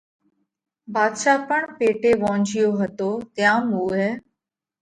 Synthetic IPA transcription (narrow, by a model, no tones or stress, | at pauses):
baːd̪ʃaːpəɳpeːʈeːʋõːɲd͡ʒɪjoːɦət̪oːt̪ɪjãːmuːɦɛː